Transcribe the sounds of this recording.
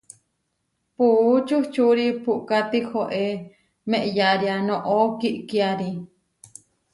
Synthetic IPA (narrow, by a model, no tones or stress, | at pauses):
put͡ʃuht͡ʃuɾipuʔkat̪ihoʔe | mẽʔjaɾianõʔokiʔkiaɾi